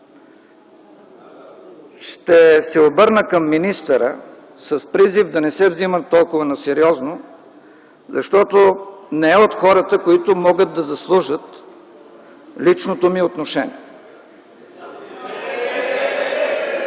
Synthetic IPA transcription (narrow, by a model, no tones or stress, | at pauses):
ʃt̪ɛsɛobɤɾnəkɐmːinist̪əɾə̰ | sɐspɾizivd̪ɐnɛsɛvzimət̪ːɔlˠkʊvənɐsɛɾiɔzno | zɐʃt̪ɔt̪onɛɛot̪xɔɾət̪əkoit̪ʊmɔɡəd̪̚d̪ɐzɐslˠuʒət̪ | lit͡ʃnot̪omiot̪noʃɛnḭɛ